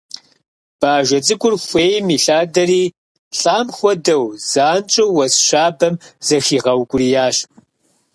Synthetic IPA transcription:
b̥aːʒʷɐt͡sʼɨɡʷʼʊrxʷeːjmiːɬaːdɐriː | ɬʼaːmxʷɔdɐwz̥aːnt͡ʃʼɐwwɐsɕaːbɐmz̥ɐxiːʁɐwɡʷʼʊɾiːjaːɕ

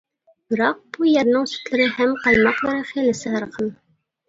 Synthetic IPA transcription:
bɤ̆ɾɑq̚b̥ujæɾnɤɴsʉ̥t̪lɘ̆ɾɘhæmqɑlˠmɑqlˠɑ̆ɾɤχilɘ̆sɘɑɾqɤn

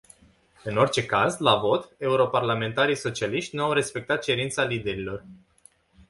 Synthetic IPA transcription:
ɨno̞rʲt͡ʃe̞kazlavo̞t̪e̞uɾo̞parlame̞nt̪aɾijso̞t͡ʃialiʃt̪ʲnuawɾe̞spe̞k̚t̪at̪̚t͡ʃe̞ɾint̪salid̪e̞ɾilo̞r

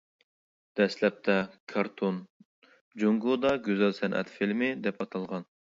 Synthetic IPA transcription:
d̪̥ɛslɛp̚t̪ʰɛkʰɑɾt̪ʰon | d͡ʒoŋɡud̪ɑɡʲøzɛlsɛnʔɛ̰t̪filmɪd̪ɛpɑt̪ʰɑlˠʁɑn

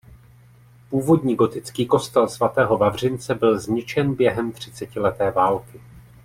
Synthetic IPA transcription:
puːvo̞dɲiːɡo̞t̪ɪt͡skiːko̞st̪ɛlsvat̪ɛːɦo̞vavr̝ɪnt͡sɛbɪlzɲɪt͡ʃɛnbjɛɦɛmt̪r̝̥ɪt͡sɛcɪlɛt̪ɛːvaːlkɪ

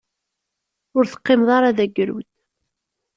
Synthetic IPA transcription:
ʊɾθə̥qːɪmðˤɑɾaðæɡɾṵd̪

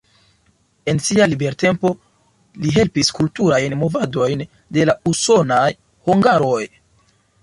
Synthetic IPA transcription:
e̞nsialibe̞ɾte̞mpo̞ | liɦe̞lpiskultuɾajnmo̞vado̞jn | de̞lauso̞naj | huŋɡaɾo̞j

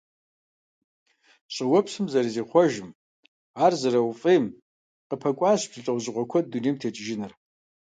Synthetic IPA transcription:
ɕʼɪwɐpʰsɨmzɐɾiziːχʷɔʒɪm | aːrzɐɾɐwfʼejm | qəpʰɐkʷʼaːɕpʰz̥ɨt͡ʃʼɐwʑʁʷɔkʷʰɐdunimtʰeːt͡ʃʼʒɪnɨr

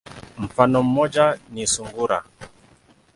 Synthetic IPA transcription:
m̩fanɔm̩mːɔd͡ʒanisuŋɡuɾa̰

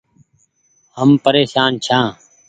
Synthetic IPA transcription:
həmpəɾeːʃaːnt͡ʃʰãː

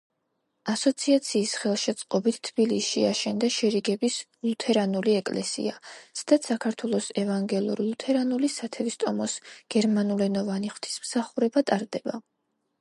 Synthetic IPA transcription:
asɔt̪sʰiat̪sʰiːsχɛlˠʃɛt̪sʼqʼɔbit̪ʰt̪ʰːb̥iliʃiaʃɛnd̪aʃɛɾiɡɛbislˠut̪ʰɛɾanuliɛkʼlɛsḭasd̪at̪sakʰaɾt̪ʰwɛlˠɔsɛvaŋɡɛlˠṵɾlˠut̪ʰɛɾanulisat̪ʰɛvist̪ʼɔmɔsɡ̥ɛɾmanulɛnɔvaniχwvt̪ʰi̥smsaχuɾɛbat̪ʼaɾd̪ɛba

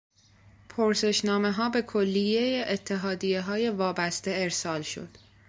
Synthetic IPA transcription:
pʰoɾse̞ʃnɒːme̞ɦɒːbe̞kʰolːije̞jeʔːt̪ʰːe̞ɦɒːd̪ijeɦɒːje̞vɒːbæst̪e̞eɾsɒːlʃo̞̰d̪̥

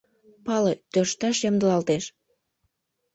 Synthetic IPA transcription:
pɑlet̪ørʃt̪ɑʃjɑmd̪əlɑlt̪eʃ

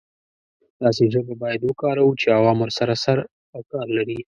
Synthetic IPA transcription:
d̪̥ɑsezobabɑjad̪wəkɑɾawut͡ʃeawɑːmwʊɾsaɾasaɾ | kɑɾlaɾi

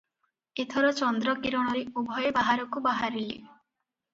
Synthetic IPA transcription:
et̪ʰɔɾɔt͡ʃɔnd̪ɾɔkiɾɔɽ̃ɔɾeubʱɔjebaɦaɾɔkubaɦaɾilḭ

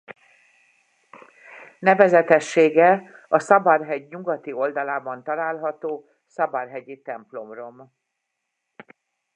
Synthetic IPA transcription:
nɛvɛzɛt̪ɛʃːeːɡɛɒsɒbɒrɦɛɟɲuɡɒt̪io̞ld̪ɒlaːbɒnt̪ɒlaːlɦɒt̪oː | sɒbɒrɦɛɟit̪ɛmplo̞mro̞m

